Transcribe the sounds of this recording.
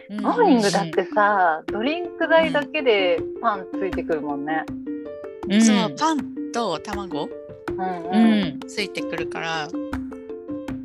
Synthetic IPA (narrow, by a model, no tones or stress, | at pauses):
moːɲ̟ĩŋɡɯ̟d̪at̪ːe̞sad̪o̞ɾʲĩŋkɯ̟d̪aid̪ake̞d̪e̞pãnt͡sɨit̪e̞kɯ̟ɾɯ̟mõ̞nːe̞ | soopãnt̪o̞t̪amaɡo̞ | ɯ̟̃ɴɯ̃t͡sɨit̪e̞kɯ̟ɾɯ̟ka̰ɾa